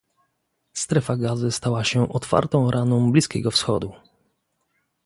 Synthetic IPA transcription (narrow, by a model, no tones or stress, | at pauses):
st̪ɾɛfaɡazɘst̪awaɕɛʔɔt̪fa̰ɾt̪ɔ̃w̃ɾʔanɔ̃w̃blʲiskʲɛɡɔfsxɔ̰d̪u